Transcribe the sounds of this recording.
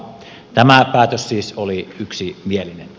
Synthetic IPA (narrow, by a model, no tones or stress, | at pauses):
t̪æmæpæˑːt̪øssiːsoliyksimielinen